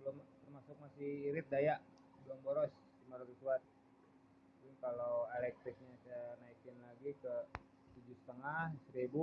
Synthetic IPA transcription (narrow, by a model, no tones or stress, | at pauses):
bəlʊmt̪ərmasʊk̚masɪhiɾɪt̪̚dajaʔ | bəlaŋboɾɔs | dimaɾɔkisuat̪̚ | d͡ʒunkaloɛlɛk̚t̪ɾɪk̚ɲasanaikɪnlaɡikə | t̪ud͡ʒʊsə̥t̪əŋahsəɾibu